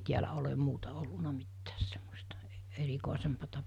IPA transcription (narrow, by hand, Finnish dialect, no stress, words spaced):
tiælæ olem muːtɑ olːunɑ mitːæːs semːostɑ ɛ erikoˑisempɑtɑ